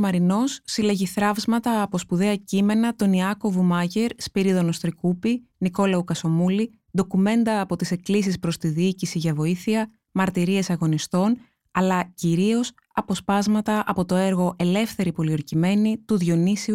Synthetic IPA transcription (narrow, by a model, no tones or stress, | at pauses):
mɐɾino̞sːile̞ʝiθɾɐvzmɐt̪ɐːpo̞spuðe̞ɐcime̞nɐt̪o̞niɐko̞vumɐʝe̞ɾspiɾiðo̞no̞st̪ɾikupiniko̞lɐukɐso̞muli | d̪okume̞nd̪ɐːpo̞t̪ise̞klisispɾo̞st̪iðiicisiʝɐvo̞iθiɐ | mɐɾt̪iɾie̞sɐɣo̞nist̪o̞n | ɐlɐciɾio̞s | ɐpo̞spɐzmɐt̪ɐʔɐ̰po̞t̪o̞e̞ɾɣo̞ʔe̞le̞fθe̞ɾipo̞lioɾcime̞nit̪uðʝo̞nisiu